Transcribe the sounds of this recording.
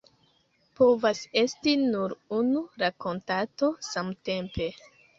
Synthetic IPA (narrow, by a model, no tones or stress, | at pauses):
po̞vase̞stinuɾunuɾako̞ntato̞samte̞mpe̞